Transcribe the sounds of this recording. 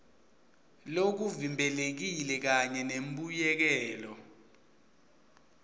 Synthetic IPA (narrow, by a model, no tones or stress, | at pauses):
lok̬uvimbʱɛlek̬ilɛk̬aɲɛnem̩ɓujɛk̬ɛːlɔ